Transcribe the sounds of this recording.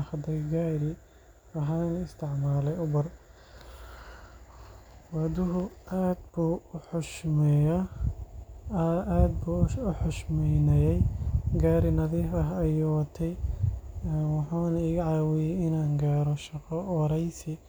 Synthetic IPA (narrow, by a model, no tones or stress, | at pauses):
xɐd̪ɐjɡaːɾɪ | ɐɦaːnɪst̪ʰɪʕmaːlɛjʊbɐr | wɐd̪ʊɦʊaːd̪̚buːħʊʃmɛɐ | aːd̪buːʊħʊʃmɛjnɛjɛjɡaːɾɪnɐðɪɐɦɐjɔwɐt̪ʰɛj | nwɑħaːnɐiːɣɐʕaːwɪjɛjɪnaːŋɡaːɾɔʃɑqɔwɑɾɛjsɪ